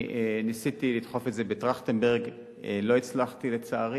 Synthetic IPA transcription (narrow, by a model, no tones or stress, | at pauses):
enisit̪ilit̪χo̞fetzebetʁaχt̪enbeʁɡ | elo̞it͡slaχt̪ilet͡saaʁi